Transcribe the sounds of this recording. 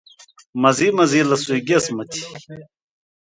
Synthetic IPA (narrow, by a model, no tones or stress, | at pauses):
mɐziːmɐziːlɐsuiɡesmɐt̪ʰi̥